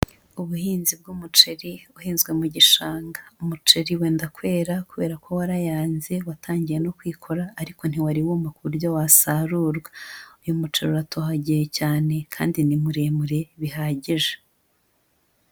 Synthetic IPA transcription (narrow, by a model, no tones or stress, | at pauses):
uβuhiːnzib̚ɡumut͡ʃe̞ɾiuhiːnzɡwe̞muɟiʃaːŋɡaumut͡ʃeɾiwe̞ːndakwe̞ːɾakuβe̞ːɾakʰo̞waɾajaːnze̞watʰaːɲɟije̞no̞kwiːkʰo̞ɾaːɾiko̞n̥hiwaɾiwuːmakuβuɾjowasaɾuɾɡwaujumut͡ʃeɾuɾatʰohaɟijecaːne̞kʰa̰ːndinimuɾe̞muɾe̞βiɦaɟiʒe